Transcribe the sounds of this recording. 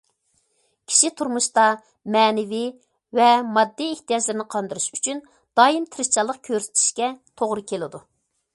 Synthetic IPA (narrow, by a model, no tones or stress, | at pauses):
kʲʰi̥ʃit̪ʰuɾmuʃt̪ɑ | mɛːnɪvi | vɛmɑd̪ːiːht̪ijɑd͡ʒlɨɾɪnɪqʰɑnd̪ɨɾɨʃyt͡ʃʰyn | d̪̥ɑːjimt̪ʰɪɾɪt͡ʃʰɑlˠːəq̚kʲʰøɾsɪ̥t̪ʰɪ̥ʃkʲɛt̪ʰoʁɾɨkʲʰelɪd̪u